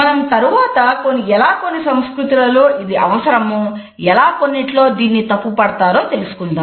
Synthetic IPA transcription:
mɐnɐmt̪ɐɾuʋaːt̪ɐko̞nːiɛlaːko̞nːisɐmskɾut̪ilɐloːʔid̪iɐʋɐsɐɾɐmu | ɛlaːkonːiʈlo̞ːd̪iːnːit̪ɐpːupɐɽɐt̪aːɾo̞ːt̪e̞lusu̥kund̪aː

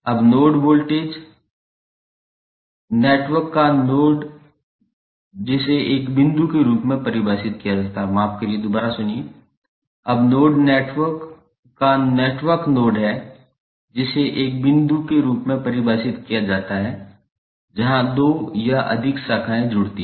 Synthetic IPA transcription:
ɐbnoːɖboːlʈeːd͡ʒ | neːʈʋəɾkːanoːɖ | d͡ʒɪseʔeːkbɪ̃nd̪ukeɾuːpmẽpɐɾɪbaːsɪt̪kijad͡ʒaːt̪aɦɛmaːp̚kelied̪ʊbaːɾasʊnie | ɐbnoːɖneːʈwəɾkː | aneːʈʋəɾknoːɖɦɛ | d͡ʒɪseʔeːk̚bɪ̃nd̪ukeɾuːpmẽpɐɾɪbaːsɪt̪kijad͡ʒaːt̪aɦɛ | d͡ʒɐɦãd̪oːjaʔɐ̰d̪ʱɪksakʰaːẽd͡ʒʊɽt̪i

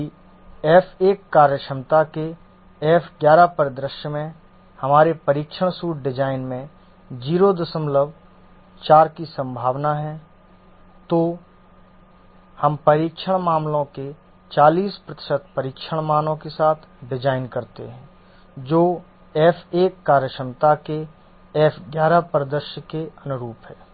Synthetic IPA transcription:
ɛːfeːkːaːɾjəʃəmt̪ake | ɛːfɡjaːɾapəɾd̪ɾɪʃjəmẽ | hɐmaːɾepɐɾiːkʃʰəɽ̃suːʈ̚ɖɪd͡ʒaːɪnmẽ | d͡ʒiːɾod̪əsəmləb | t͡ʃaːɾkisə̃mbʱaːʋnaɦɛ̃ | t̪oː | hɐmpɐɾiːkʃʰəɽ̃maːmlõke | t͡ʃaːliːspɾət̪ɪ̥ʃət̪̚pɐɾiːkʃʰəɽ̃maːnõkesaːt̪ʰɖɪd͡ʒaːɪnkɐɾt̪ḛɦɛ̃ː | d͡ʒoː | ɛːfʰeːkːaːɾjəʃɾəmt̪ake | ɛːfʰɡjaːɾapɾəd̪əɾʃkeɐnʊɾuːpɦɛː

